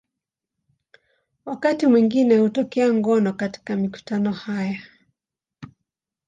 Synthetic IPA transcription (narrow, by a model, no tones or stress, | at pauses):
wakatimwiŋɡinɛhutɔkɛaŋɡɔnɔkati̥kamiku̥tanɔhaja